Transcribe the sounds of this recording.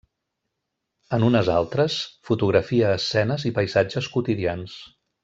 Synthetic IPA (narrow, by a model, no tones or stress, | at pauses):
ənunəza̰lˠt̪ɾəsfut̪uɣɾəfiəːsːɛnəzipəjzad͡ʒəskut̪iðians